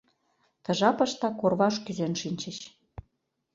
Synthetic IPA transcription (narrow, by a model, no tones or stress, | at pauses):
t̪ɤ̆ʒɑpɤ̆ʃt̪ɑkorβɑʃkyzenʃinʲt͡ɕə̆ɕ